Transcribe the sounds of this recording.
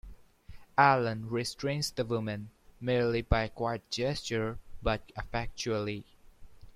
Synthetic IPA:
ælə̃nɹistʰɹ̥ẽɪ̃nsd̪əwʊmɨ̃nmiɹlibaɪkwaɪt̚d͡ʒɛst͡ʃəɹbʌt̚ɪfɛk̚t͡ʃuəli

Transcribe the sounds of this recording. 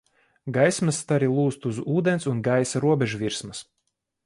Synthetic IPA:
ɡajsmɐst̪aɾilˠuːst̪uzuːd̪ɛnsunɡajsaɾuɔbʲɛʒuvʲiɾsmɐs

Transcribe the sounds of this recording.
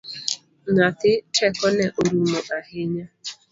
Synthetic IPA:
natɪt͡ʃɛkɔnɛʔoɾumɔʔaɦɪɲa

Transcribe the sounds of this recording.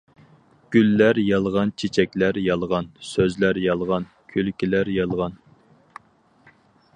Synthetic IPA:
ɡ̥ʲylːæɾjɑlˠʁɑnt͡ʃʰet͡ʃʰɛkʲlæɾjɑlˠʁɑnsøzlæɾjɑlˠʁɑn | kʲʰølkʲilæɾjɑlˠʁɑn

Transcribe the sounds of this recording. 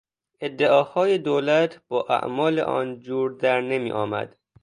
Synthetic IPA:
ed̪ːeʔɒːhɒːjed̪oːlæt̪ʰbɒːʔæ̰ʔmɒːlḛʔɒ̰ːnd͡ʒuːɾd̪æɾnemḭːʔɒːmæ̰d̪̥

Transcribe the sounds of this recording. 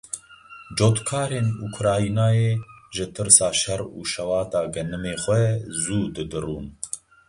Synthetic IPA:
d͡ʒoːt̪kʰɑːɾeːnukʰɾɑːinaːjeːʒɨt̪ʰɨɾsɑːʃɛɾṵːʃɛwɑːt̪ɑːɡɐnɨmeːxʷɛzuːd̪ɨd̪ɨruːn

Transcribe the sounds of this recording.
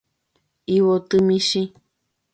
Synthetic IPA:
iwot̪ɨmĩʃĩ

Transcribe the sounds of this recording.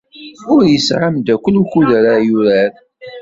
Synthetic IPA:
ʊɾjəsʕamd̪ækʷəlukuðəɾajuɾæɾ

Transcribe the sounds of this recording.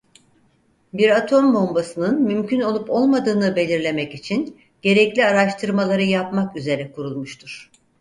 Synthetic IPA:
biɾat̪ʰo̞mbo̞mbasɯnɯnmymcʰyno̞lˠupo̞lˠmad̪ɯːnɯbe̞lʲiɾlʲe̞mɛcit͡ʃʰin | ɟ̥e̞ɾɛclʲiaɾaʃt̪ʰɯɾmalˠaɾɯjapmakyze̞ɾɛkʰuɾulˠmuʃt̪ʰuɾ̥

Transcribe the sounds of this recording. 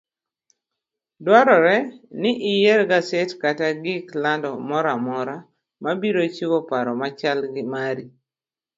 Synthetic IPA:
dwaɾɔɾɛnɪʔɪjɛɾɡasɛtkataɡɪklandɔmɔɾamɔɾa | mabiɾot͡ʃiwɔpaɾɔmat͡ʃalɡɪmaɾi

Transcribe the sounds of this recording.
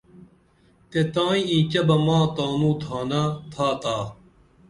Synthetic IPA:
t̪et̪ãːĩĩːt͡ɕɐbɐmãːt̪aːnũːt̪ʰaːnat̪ʰaːt̪aː

